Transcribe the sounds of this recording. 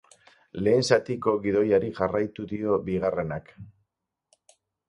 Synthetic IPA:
le̞ːnsat̪iko̞ɣiðo̞jaɾiʝarajt̪uðio̞biɣare̞nak

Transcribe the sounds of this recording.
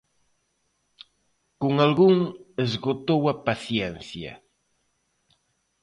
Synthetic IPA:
koŋalɣuŋezɣot̪owɐpaθjɛnθjɐ̰

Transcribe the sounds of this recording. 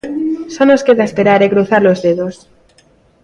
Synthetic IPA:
sonoskeðaespeɾaɾeɣɾoθaɾlozðeðos

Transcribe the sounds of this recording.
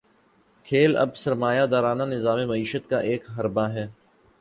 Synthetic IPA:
kʰeːlɐ̰bsɐɾmaːjad̪aːɾaːnanɪzaːmemɐiːʃət̪kaʔeːkɦɐɾbaɦɛː

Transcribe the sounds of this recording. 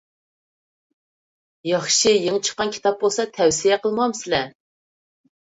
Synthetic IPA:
jɑχʃijeŋt͡ʃʰə̥qːɑnkʲʰi̥t̪ʰɑp̚bolˠsɑt̪ʰɛwsijɛqəlˠmɑmsɪlɛ

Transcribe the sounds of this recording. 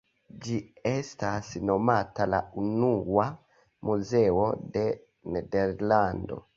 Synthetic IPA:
d͡ʒiɛstasinɔmatala̰unuwa | muzɛɔdɛ | nɛdɛɾlando̰

